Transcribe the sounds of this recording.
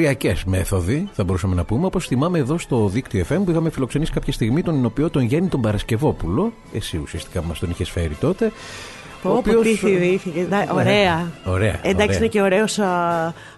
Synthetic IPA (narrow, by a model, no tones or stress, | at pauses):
iɐce̞zme̞θo̞ðiθɐbo̞ɾusɐme̞nɐpume̞o̞po̞sθimɐmeːðo̞st̪o̞ðikt̪ioefe̞mpuixɐmefilo̞kse̞nisi̥kɐpçɐst̪iɣmit̪o̞nino̞piot̪onʝenit̪o̞mbɐɾɐsce̞vo̞pulo̞ | e̞siusiɐst̪i̥kɐmɐst̪o̞niçesfe̞ɾit̪o̞t̪e̞ | oːposiiiθiceɐoɾeɐo̞ɾe̞ɐ̰enɐkssiineceoɾeos